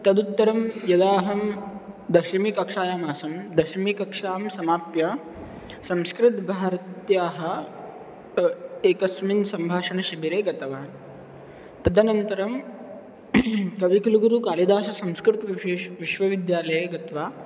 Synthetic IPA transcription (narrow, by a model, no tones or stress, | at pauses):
t̪ɐd̪ut̪ːɐɾɐmjɐd̪aːɦɐmd̪ɐʃmikɐkʂaːjaːmaːsɐmd̪ɐʃmikɐkʂaːmsɐmaːpjɐ | sɐmskɾɪt̪bʱaːɾɐt̪jaːɦɐ̆ | eːkɐsminsɐmbʱaːʂɐɳɐʃɐbiɾeːɡɐt̪ɐʋaːn | t̪ɐd̪ɐnɐnt̪ɐɾɐm | kɐʋikɐluɡuɾukaːlid̪aːʃɐsɐmskɾɪt̪ɐʋiʃeːʃʋiʃʋɐʋid̪jaːlɐjɐɡɐt̪ʋaː